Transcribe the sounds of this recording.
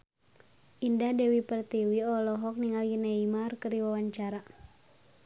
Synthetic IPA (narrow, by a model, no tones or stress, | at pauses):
ʔindadɛwipərt̪iwiɔlɔɦɔk̚niŋalɡinɛimarkəɾiwawaɲt͡ʃaɾa